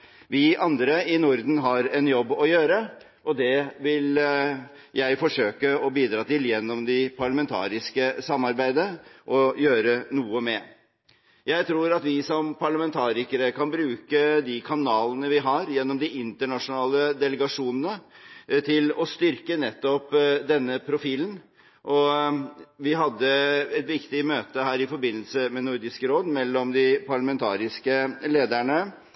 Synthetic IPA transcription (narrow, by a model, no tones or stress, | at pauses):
ʋɪʔɑnd̪ɾəɪnʊɾd̪n̩ɦɑɾɛnjɔbːɔjøːɾə | ʔɔd̪ɛʋɪl | jæɪfɔʂøːkəɔbiːd̪ɾɑːt̪ɪljɛnːɔmd̪ɪpʰɑɭɑmɛnt̪ʰɑ̰ːɾɪskəsɑmːɑɾbæɪd̪əʔɔjøːɾənuːəmɛ | jæɪt̪ʰɾuːɾɑt̪ʋɪsɔmpʰɑɭɑmɛnt̪ʰɑːɾɪkəɾəkʰɑnbɾʉːkəd̪ɪkʰɑnɑːlənəʋɪɦɑɾjɛnːɔmd̪ɪʔɪnt̪əɳɑʂʊnɑːləd̪ɛləɡɑʂuːnənət̪ʰɪlɔst̪ʏɾkənɛt̪ːɔpd̪ɛnːəpʰɾʊfiːln | ʔɔ | ʋɪɦɑd̪ːəɛt̪ʋɪkt̪ɪmøːt̪əɦæːɾɪfɔɾbɪnːəlsəmɛnʊɾd̪ɪskəɾoːd̪mɛlːɔmd̪ɪpʰɑɭɑmɛnt̪ʰɑ̰ːɾɪskəleːd̪æɳə